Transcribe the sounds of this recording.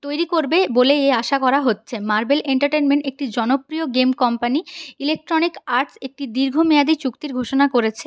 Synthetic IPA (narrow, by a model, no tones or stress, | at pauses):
t̪ojɾikoɾbeboleeaʃakɔɾaɦotːɕʰemaɾbeleɳʈaɾʈenmeɳʈek̚ʈid͡ʑɔnopɾioɡemkɔmpaniilek̚ʈɾonikaɾʈsek̚ʈid̪iɾɡʱomead̪it͡ɕukt̪iɾɡʱoʃonakoɾet͡ɕʰe